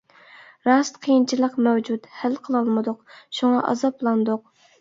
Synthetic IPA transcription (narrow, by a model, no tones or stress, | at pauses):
ɾɑst̪qʰijint͡ʃʰilˠəqmɛwd͡ʒut̪hælqʰəlˠɑlˠmɨd̪ʊqʃuŋɑʔɑ̰zɑplˠɑnd̪ʊq̚